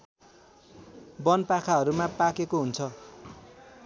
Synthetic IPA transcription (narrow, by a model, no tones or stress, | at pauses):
bʌnpakʰaɦʌɾumapakekoɦunt͡sʰʌ